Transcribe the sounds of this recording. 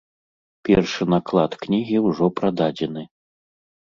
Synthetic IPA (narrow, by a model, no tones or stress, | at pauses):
pʲɛrʂɨnaklˠat̪knʲiɣʲiwʐɔpɾad̪ad͡zʲɛnɨ